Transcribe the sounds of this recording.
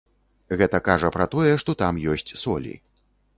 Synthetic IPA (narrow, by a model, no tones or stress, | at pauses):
ɣɛt̪ɐkaʐɐpɾɐt̪ɔjɛʂt̪ɔt̪amjɔsʲt͡sʲsɔlʲḭ